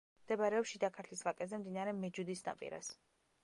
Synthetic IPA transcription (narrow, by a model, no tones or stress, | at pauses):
md̪̥ɛbaɾɛɔpʃid̪akʰaɾt̪ʰlisvakʼɛzɛmd̪inaɾɛmɛd͡ʒud̪isna̰pʼḭɾa̰s